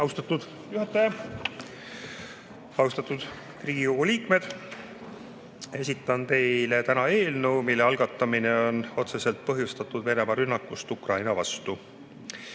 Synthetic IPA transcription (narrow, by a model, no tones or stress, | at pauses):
ɑwst̪ɑt̪ːud̪̥ | juɦɑt̪ːˑɑjɑ | ɑwst̪ɑt̪ːˑud̪̥ | kriːɡ̥ikoɡ̥uliːkme̞d̪̥ | e̞sʲit̪ːˑɑnt̪e̞jle̞t̪ænɑe̞ːlnuwmilːe̞ɑlɡ̥ɑt̪ːˑɑmine̞o̞no̞t̪se̞se̞lt̪̚pɤɦjust̪ɑt̪ːˑud̪̥ve̞ne̞mɑɾynːɑkːˑust̪ukrʔɑjnɑvɑ̰st̪u